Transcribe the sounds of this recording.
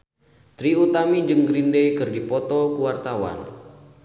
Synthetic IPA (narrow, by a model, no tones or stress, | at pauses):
t̪ɾiut̪amid͡ʒɨŋɡɾindejkɨrdipɔt̪ɔkuwart̪awa̰n